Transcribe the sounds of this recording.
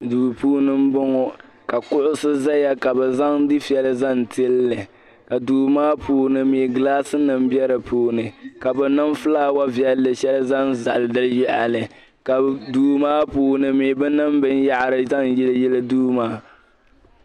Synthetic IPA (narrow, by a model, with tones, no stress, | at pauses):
duː˨puː˦nɨ˦m̩˦bɔ˦ŋɔ˨ | ka˨kʊ˦ʔʊ˦sɨ˦za˦ja˦ka˨bɛ˨za˦ŋdɨ˦fi˨˦ɛ˦lɨ˦za˦n˨tɨ˦lːɨ˨ | ka˨duː˨maː˦puː˨˦nɨ˨miː˨ɡlaː˦sɨ˦nɨ˨m̩˦bɛ˦ɾɨ˨puː˨nɨ˨ka˨bɛ˨nɨ˦mfɨ˦laː˦wa˦vjɛ˦lːɨ˨ʃɛ˦lza˦n˦za̰˨lɨ˨dɨ˦ljɪ˦ʔa̰˨lɨ˨ | ka˨duː˨maː˦puː˦nɨ˨miː˨bɨ˦nɨ˦m˦bɨ˦nja˦ʔɾɨ˨za˦ŋjɛ˦lɨ˦jɛ˦lɨ˦duː˦maː˦